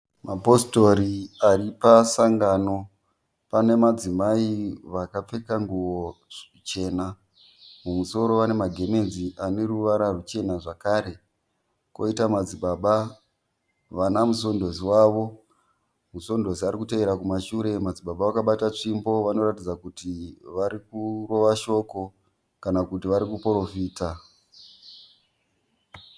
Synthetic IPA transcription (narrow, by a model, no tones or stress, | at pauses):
mapo̞sto̞ɾiaripasaŋɡaːno̞ | pane̞mad͡zimaiʋakap͡fe̞kaŋɡuwo | t͡ʃe̞ːna | mumuso̞ɾo̞ʋane̞maɡʱe̞me̞nziʔane̞ɾuʋaɾarut͡ʃe̞naʐakaɾe̞ | ko̞̰itamad͡ziɓaːɓa | ʋanamuso̞ndo̞ziwaʋo̞ | muso̞ndo̞ziaɾikuteʋeɾakumaʃuɾe̞mad͡ziɓaɓawakaɓatat͡ʂimbo̞ʋano̞ɾatid͡zakutiʋaɾikuro̞ʋaʃo̞ko̞ | kanakutiʋaɾikupoɾo̞fiːta